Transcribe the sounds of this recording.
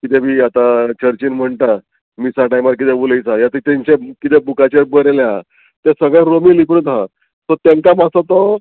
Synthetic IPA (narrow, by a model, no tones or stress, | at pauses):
kit̪ʰɛbiːat̪at͡ɕəɾt͡ɕiːnm̤əɳʈ̪a | misaʈajmaɾk̬it̪ɛbuləjt͡sajat̪it̪ẽɲt͡ɕekit̪ɛbukat͡ɕeɾbəɾelea | t̪esəɡɭãɾomilipɾət̪ɦa | sɔt̪jaŋkamasɔt̪ɔ